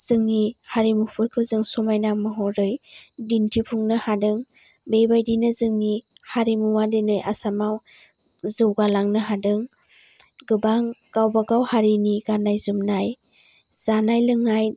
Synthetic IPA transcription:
z̥ɯŋnihaɾimupʰɯjkʰɯwzɯŋsɔmajnamɯɦɔɾɯjdintʰipʰuŋnɯhadɯŋ | bejbajdinɯzɯŋnihaɾimuwadenɯjʔa̰samaw | zɯwɡalaŋnɯɦadɯŋ | ɡɯbaŋɡ̥awbaɡawhaɾiniɡanajzɯmnaj | z̥anajlɯŋaj

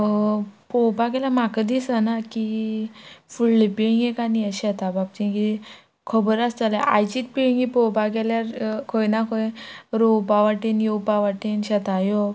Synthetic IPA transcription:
powbaɡɛljamakəd̪isənaki | fulːepiɭĩŋɡjekaniəɕɛt̪abap̚t͡ɕĩki | kʰəbəɾast̪alaʔa̰jt͡ɕit̪̚piɭiŋipowbaɡɛljaɾkʰojnakʰojɾopaʋaʈinjowpaʋaʈenɕɛt̪ajo

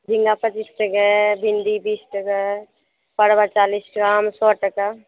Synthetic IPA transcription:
d͡ʒʱɪ̃ŋɡapət͡ʃiːsʈəɡɛbʱɪ̃nd̪ibiːsʈəɡɛ | pəɽbat͡ʃaːlisʈɡaːmsɔːʈəka

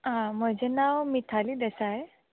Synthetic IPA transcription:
ɦãm̤əd͡ʑenaʋmit̪ʰaliːd̪esae

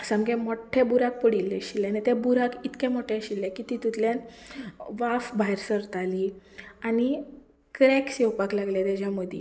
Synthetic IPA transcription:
səmɡɛ̃moʈʰebuɾak̚pəɽilːɛɕilːɛ̃nɛt̪ɛ̃buɾakit̪kɛ̃moʈʰɛ̃ɕilːɛkit̪it̪ut̪ljan | ʋafbaɦjɾsəɾt̪aliani | kɾɛksɛwpaklaɡljat̪ad͡ʑjaməd̪ʱḭ

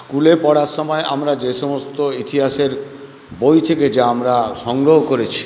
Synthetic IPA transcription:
skulepɔɽaɾʃɔmɔeʔa̰mɾad͡ʑeʃɔmost̪oit̪iɦaʃeɾ | bojt̪ʰeked͡ʑaamɾaʃɔŋɡɾoɦokoɾet͡ɕʰi̥

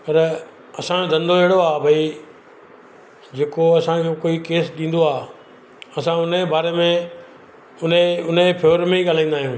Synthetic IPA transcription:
pɐɾ | ɐsãd̪ɐ̃nd̪oeɦɽoaːbʱɐi | d͡ʑeːkoɐsãkʰekoːikeːsɗĩːn̆d̪oaː | ɐsãʊnebaːɾemẽ | ʊneʊnepʰoːɾmẽiɠaːl̤aĩːn̆d̪aːɦiũː

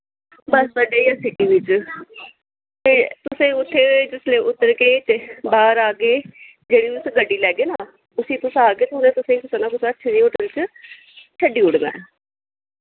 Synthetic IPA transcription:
bəst̪əɖeːiasɪʈiːʋɪt͡ʃ | t̪eːt̪ʊsẽːʊt̪ʰːeːd͡ʒɪslẽːʊt̪ːəɾkeːt͡ʃbaːɾaːɡeː | d͡ʒeːɽiːʋʊsɡəɖːiːlɛːɡeːnaː | ʊsĩːt̪ʊsaːɡeːt̪ʊnẽːt̪ʊsẽːkʊsaːnãːkʊsətːʃʰenĩːʊʈəlt͡ʃ | t͡ʃʰəɖiːʊɽmɛ̰̃ː

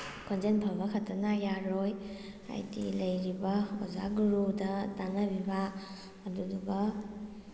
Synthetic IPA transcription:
kʰɔnd͡ʒenpʰabɐkʰatʰanajaɾoj | a̰jdḭlɐjɾibɐɔza̰ɡuɾudɐtanabibaː | duduɡɐ

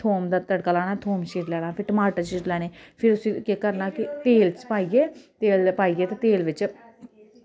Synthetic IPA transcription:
t̪ʰoːmd̪aːt̪əɽkaːlaːɽaːt̪ʰoːmʃiːʈlɛːɽ̃aːpʰɪɾʈəmaːʈəɾʃiːʈlɛːneːpʰɪɾʊsiːkeːkəɾnaːkɪt̪eːlt͡ʃpaːiːɡeːt̪eːlpaːiːɡeːt̪eːt̪eːlʋɪt͡ʃ

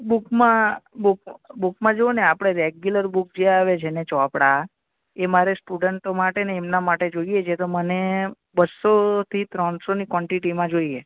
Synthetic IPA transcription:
bukmãbukbukmãd͡ʒooneapɽ̃eɾeɡjuləɾbuk̚d͡ʒeaʋet͡ʃʰenet͡ʃɔpɽa | emaɾesʈuɖəɳʈomaʈeneːmnamaʈed͡ʒoijet͡ʃʰet̪oməne | bəsot̪ʰit̪ɾənsonikʋɔɳʈiʈimãd͡ʒoie

